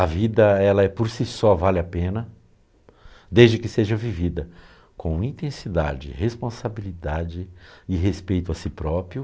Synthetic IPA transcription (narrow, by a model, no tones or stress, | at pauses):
ɐvid̪ɐɛlɐɛpoɾsisɔvalɪapẽnɐ | d̪ezd͡ʒɪkɪseʒɐvivid̪ɐ | kõw̃ĩt̪ẽsid̪a̰d͡ʒɪ̰hespõsabilid̪ad͡ʒɪɪɦespejt̪ʊɐsɪpɾɔpɾjʊ